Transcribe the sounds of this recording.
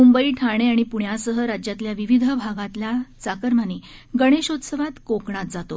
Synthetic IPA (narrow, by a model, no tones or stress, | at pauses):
mumbəiːʈʰaɽ̃eaɽ̃ipuɳjasəɦəɾad͡ʑjat̪ljaʋiʋid̪ʱəbʱaɡãt̪ljat͡sakəɾmaniːɡəɽ̃eɕot̪səʋat̪kokɳat̪̚d͡zat̪o